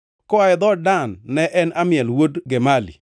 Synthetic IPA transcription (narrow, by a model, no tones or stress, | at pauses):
kɔaɛd̪ɔdanːɛʔɛnamɪɛlwodɡɛmalḭ